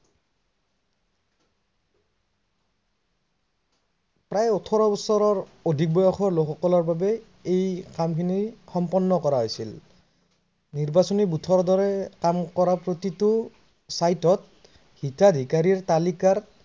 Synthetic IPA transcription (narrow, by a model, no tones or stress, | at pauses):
pɹajɔtʰɔɹɔbɔsɔɹɔɹodʱik̚bɔjɔxʰɔɹlokʰɔkɔlɔɹbabɛ | ejkamkʰinixɔmpɔnːɔkɔɹaɦojsil | niɹbasɔnibutʰɔɹd̪ɔɹɛkamkɔɹapɹotitʊ | sajtɔt̚ | hitad̪ʱikaɹiɹt̪alikaɹ